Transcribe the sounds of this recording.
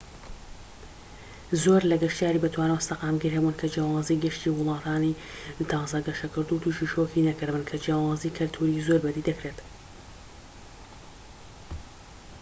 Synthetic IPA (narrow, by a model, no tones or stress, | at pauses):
zoːɾlɐɡɐʃt̪ijaːɾiːbɨt̪ʰwaːnɛwst̪ɐqaːmɡiɾhɛbunkʰɐd͡ʒijaːwɑːziɡɨʃt̪iwʊlˠɑːt̪ʰaːni | t̪ʰɑːzɐɡɐʃɐkɨɾd̪ut̪ʰuʃiʃokinɐkɨɾbɨnkʰɐd͡ʒjaːwɑːzikʰɨlt̪ʰuɾizoːɾbɐd̪iːd̪ɐkɾet̪